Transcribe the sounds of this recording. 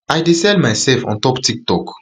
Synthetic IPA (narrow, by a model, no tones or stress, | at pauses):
ajdisɛlmajsɛlfɔ̰̃ntɔktik̚tɔk